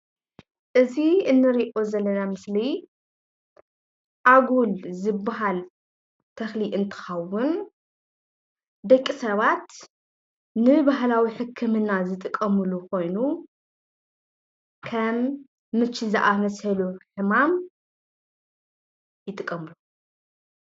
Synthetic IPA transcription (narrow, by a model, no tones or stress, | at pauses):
ʔɨziɨnːɨɾiʔozɐlːɐnamɨsli | ʔaɡulzɨbːaɦal | t̪ʰɐxliʔɨnt̪ʰɨ̥xɐwʊn | d̪ɐkʼːisɐβat̪ | nɨbaɦlawiħɨkʰːɨmɨnːazɨt̪ʼɨkʼːɐmɨluko̞jnu | kʰɐmː | ɨt͡ʃʰːizɨʔamɐshɐluħɨmam | jɨt̪ʼɨkʼːɐmɨlu